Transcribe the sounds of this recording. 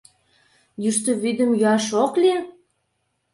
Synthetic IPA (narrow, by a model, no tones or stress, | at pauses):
jyʃt̪ə̆βid̪ə̆mjyɑʃokli